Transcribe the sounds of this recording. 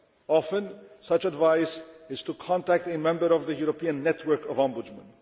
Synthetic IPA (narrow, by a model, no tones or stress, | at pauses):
ɑfə̃nsʌt͡ʃədvaɪsɪz̥tʰukʰɑ̃ntæk̚temɛ̃mbəɾʌvðəjuɹopʰiɨ̃nːɛtʰwə˞kʌvɑ̃mbʊd͡ʒmə̰̃n